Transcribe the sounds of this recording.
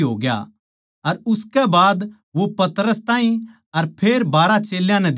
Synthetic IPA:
ɦoːɡja̰ | ɐɾʊskɛbaːd̪ | ʋopɐt̪ɾəst̪ãːɦĩ | ɐɾpʰeːɾbaːɾat͡ʃeːljãnɛ̃d̪

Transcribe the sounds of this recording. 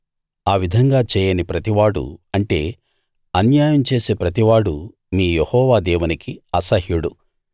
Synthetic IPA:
aːʋid̪ʱɐŋɡaːt͡ʃɛːjɐnipɾɐt̪iʋaːɽṵɐɳʈe̞̰ː | ɐnjaːjɐmt͡ʃe̞ːse̞ːpɾɐt̪̬iʋaːɽu | miːjehɔːʋaːd̪ɛːʋunikiɐsɐhjuɽu

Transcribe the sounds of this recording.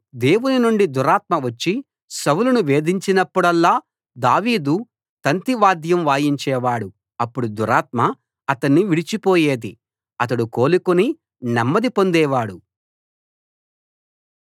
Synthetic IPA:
d̪e̞ːwuninuɳɖid̪uɾaːt̪̚mɐʋɐt͡ʃːi | sɐwulɐnuʋe̞ːd̪iɲt͡ʃinɐpːuɽɐlːaː | d̪aːʋiːd̪u | t̪ɐnt̪iʋaːd̪jɐmʋaːjiɲt͡ʃɛːʋaːɽu | ɐpːuɽud̪uɾaːt̪mɐ | ɐt̪ɐnːiʋiɽit͡ʃipoːjeːd̪i | ɐt̪̬ɐɽuko̞ːlukoni | nɐmːɐd̪ipo̞nd̪ɛːʋaːɽu

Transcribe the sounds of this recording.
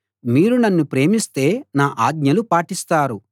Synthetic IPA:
miːɾunɐnːupɾe̞ːmist̪e̞ːnaːʔaːɡ̚ɲɐlupaːʈist̪aːɾu

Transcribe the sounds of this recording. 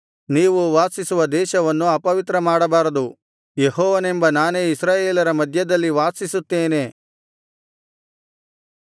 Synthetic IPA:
niːʋuʋaːsisuʋɐd̪ɛːʃɐʋɐnːuɐpɐʋit̪ɾɐmaːɽɐbaːɾɐd̪u | jeɦɔːʋɐnembɐnaːne̞ːisɾaːjeːlɐɾɐmɐd̪ʱjɐd̪ɐlːiʋaːsisut̪ːeːne̞ː

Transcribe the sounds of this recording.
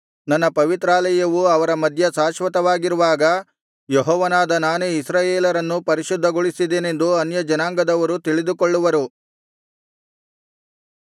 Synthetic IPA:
nɐnːɐpɐʋit̪ɾaːlɐjɐʋuɐʋɐɾɐmɐd̪ʱjɐsaːʃʋɐt̪ɐʋaːɡiɾuʋaːɡɐ | jeɦɔːʋɐnaːd̪ɐnaːnuisɾaːjeːlɐɾɐnːupɐɾiʃud̪ʱːɐɡoɭisid̪eːne̞nd̪uɐnjɐd͡ʒɐnaːŋɡɐd̪ɐʋɐɾut̪iɭid̪ukoɭːuʋɐɾu

